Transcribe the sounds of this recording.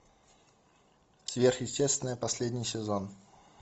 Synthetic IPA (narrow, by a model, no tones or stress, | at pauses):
svʲerxjɪsʲtʲest̪ʲvʲɪnəjəpɐsʲlʲedʲnʲɪjsʲɪzon